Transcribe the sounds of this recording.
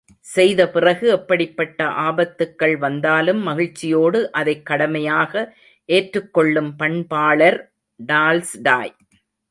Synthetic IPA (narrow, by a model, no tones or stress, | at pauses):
sɛjðɐpɪrɐɣɯɛpːɐɽɪpːɐʈːɐʔaːbɐt̪ːɯkːɐɭʋɐnd̪aːlɯmːɐɣɪɻt͡ʃːɪjoːɽɯʔɐðɐɪkːɐɽɐmɐjaːɣɐ | ʔeːʈrɯkːɔɭːɯmpɐɳpaːɭɐɾ | ɖaːlsɖaːj